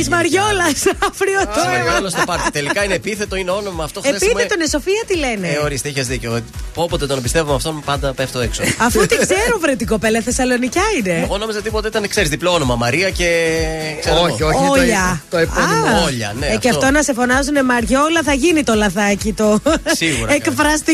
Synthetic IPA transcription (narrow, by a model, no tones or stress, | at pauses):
izmɐɾʝo̞lɐsɐfɾiot̪oaɐlosopɐɾt̪it̪elikɐinepiθe̞t̪o̞ineo̞no̞mɐːft̪oxeepiθmet̪oineso̞fiɐt̪ile̞neoɾist̪eiçezðiceopopot̪et̪onebist̪e̞vumeɐft̪o̞npɐnd̪ɐpeft̪oeksoɐfut̪ikseɾuvɾet̪̬iko̞pe̞lɐθe̞sɐlo̞nicɐine̞eɣo̞no̞mizɐt̪ipo̞t̪eit̪ɐnekse̞ɾizðiploono̞mɐmɐɾiɐce̞kseɾoooʎɐt̪oeɐoʎɐ̰neɐfceɐft̪onɐsefo̞nɐzunemɐɾʝolɐθɐʝinit̪o̞lɐðɐcit̪o̞siɣuɾekfɾɐst̪i